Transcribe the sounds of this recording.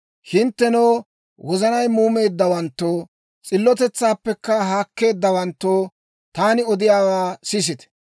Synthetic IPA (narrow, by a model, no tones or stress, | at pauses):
hɪnt̪ːɛnoː | wɔzɐnɐjmuːme̞ːd̪ːɐwɐnt̪ːoː | t͡sʼɪlːɔt̪ɛt͡sːaːpːɛkːɐɦaːkːe̞ːd̪ːɐwɐnt̪ːoː | t̪aːnɪɔd̪ɪjaːwaːsɪs̬ɪt̪ɛ̥